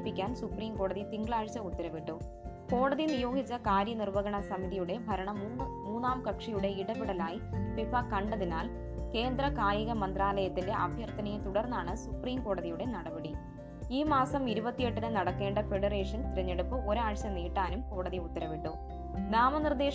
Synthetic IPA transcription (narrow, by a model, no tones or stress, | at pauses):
pːikʲːaːnsupriːmko̞ːɽɐðit̪iŋɡɭaːɻt͡ɕːɐut̪ːɐɾɐʋiʈːu | ko̞ːɽɐðinijo̞ːɡit͡ɕːɐkaːɾjɐnirʋɐɣɐɳɐsɐmiðijuɽe̞bʱɐɾɐɳɐmuːnːaːmkɐkʂijuɽe̞iɽɐpiɽɐlaːjipipɐkɐɳɖɐðinaːl | ke̞ːnd̪ɾɐkaːjiɣɐmɐnd̪raːlɐjɐt̪ːinde̞ʔɐ̰bʱjɐrt̪ɐnɐjet̪uɽɐrnːaːɳɨsupriːmko̞ːɽɐðijuɽe̞nɐɽɐbɐɽi | iːmaːsɐmiɾubɐt̪ːije̞ʈːɨnɨnɐɽɐkːe̞ːɳɖɐfe̞ɽɐre̞ːʂɐnt̪iɾɐɲːeɽupːɨʔo̞ɾaːɻɕɐniːʈːaːnumko̞ːɽɐðiut̪ːɐɾɐʋiʈːu | naːmɐnird̪e̞ː